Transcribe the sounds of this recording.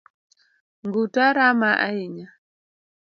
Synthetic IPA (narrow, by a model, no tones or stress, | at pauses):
ŋɡutaɾamaʔa̰iɲa